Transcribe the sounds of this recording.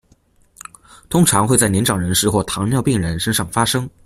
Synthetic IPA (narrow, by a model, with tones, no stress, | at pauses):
t̪ʰʊ˥ŋʈ͡ʂʰɑ˧˥ŋxwe˥˧t͡sa˥˩ɪnɛ˧˥nʈ͡ʂɑ˨˩ŋɻə˧˥nʂɻ̩˥˧xwɔ˥˩t̪ʰɑ˧˥ŋnjɑ˥˧ʊpi˥˩ŋɻə˧˥nʂə˥nʂɑ˥˩ŋfa˥ʂɤ˥ŋ